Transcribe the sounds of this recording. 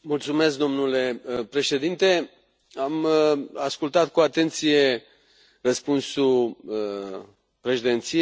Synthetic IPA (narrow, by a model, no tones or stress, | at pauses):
mult̪sume̞sk̚d̪o̞mnule̞pɾe̞ʃe̞d̪int̪e̞ | amaskult̪at̪kuat̪e̞nt̪sije̞ | rəspunsu | pɾe̞ʃed̪e̞nt̪si